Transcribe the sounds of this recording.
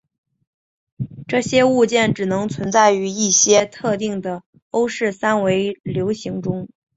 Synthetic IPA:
ʈ͡ʂɤ˥˩ɕjɛ˥u˥˧t͡ɕjɛ˥˩nʈ͡ʂɻ̩˨˩nɤ˧˥ŋt͡sʰwə˧˥nt͡sa˥˩ɪy˧˥i˥˩ɕjɛ˥t̪ʰɤ˥˧t̪i˥˩ŋd̪ə˩ | o˥ʊʂɻ̩˥˩sa˥nwe˧˥ɪljo˧˥ʊɕi˧˥ŋʈ͡ʂʊ˥ŋ

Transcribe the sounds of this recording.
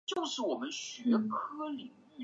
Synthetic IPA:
t͡ɕjo˥˧ʊʂɻ̩˥˩wɔ˨˩mə˦nɕɥɛ˧˥kʰɤ˥li˨˩ŋ˥˩

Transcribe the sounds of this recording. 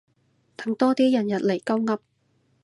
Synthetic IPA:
t̪ʰɐ˨˥˦ŋt̪ɔː˥t̪iː˥jɐ˨˩njɐ˨t̚le˨˩jkɐ˥wŋɐ˥p̚

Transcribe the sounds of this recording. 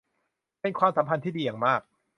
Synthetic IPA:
pe˧nkʰwaː˧msa˨˩˦mpʰa˧nt̪ʰiː˥˩diː˧jaː˨˩ŋmaː˥˩k̚

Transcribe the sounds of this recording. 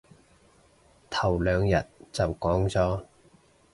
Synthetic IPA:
t̪ʰɐ˨˩wlœː˨˧ŋjɐ̰˨t̚t͡sɐ˨wkɔː˨˥ŋt͡sɔː˨˥

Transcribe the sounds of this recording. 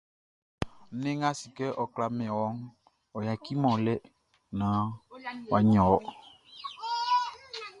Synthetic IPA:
n̩˦nẽ˦ŋã˦si˨kɛ˦ʔɔ˨kla˨mɛ̃˨wɔ˨˦ŋ | ɔ˨ja˨ki˦mɔ̃˨lɛ˦ | nã˨˦wa˨ɲɔ̃˨wɔ˦

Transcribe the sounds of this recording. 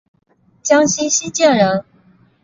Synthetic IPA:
t͡ɕjɑ˥ŋɕi˥ɕi˥t͡ɕjɛ˥˩nɻə˧˥n

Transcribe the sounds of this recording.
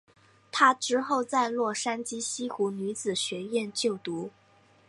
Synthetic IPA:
t̪ʰa˥ʈ͡ʂɻ̩˥xo˥˧ʊt͡sa˥˧ɪlwɔ˥˩ʂa˥nt͡ɕi˥ɕi˥xu˧˥ny˧˥t͡sɹ̩˨˩ɕɥɛ˧˥ɥjɛ˥˧nt͡ɕjo˥˩ʊt̪u˧˥

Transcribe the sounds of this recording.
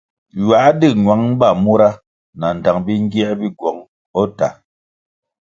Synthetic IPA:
ɥa˨˦dɨ˦˨ŋwa˨˦ŋ˦ba˦˨mu˦ɾa˦ | na˨n̩˨da˨ŋbi˦ŋ˦ɡi˦a˦bi˦ɡwɔ˨˦ŋ | ɔ˦ta̰˨

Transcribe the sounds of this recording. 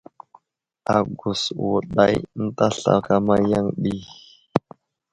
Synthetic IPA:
a˨ɡu˨swu˨ɗa˦jn̩˦ta˦ɬa̰˨ka˦ma˦ja˦ŋɗi˦

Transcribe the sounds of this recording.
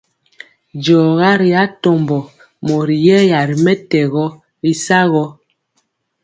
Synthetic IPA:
d͡ʒɔː˨ɣa˦ɾi˨a˦tɔ˨mbɔ˨ | mɔ˨ɾi˨jɛ˦ja˨ɾi˨mɛ˦tɛ˨ɣɔ˦ | ɾi˦sa˦ɣɔ˦

